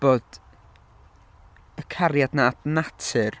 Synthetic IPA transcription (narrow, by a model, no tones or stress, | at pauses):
b̥oːd̥ | əkʰaɾjadnaːtnatʰɨr